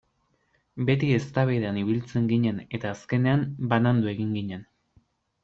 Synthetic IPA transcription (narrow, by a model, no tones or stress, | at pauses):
be̞t̪ie̞st̪aβeðeaniβilt͡se̞ŋɡiɲe̞ne̞t̪aːske̞ne̞ambanand̪ue̞ɣiŋɡiɲe̞n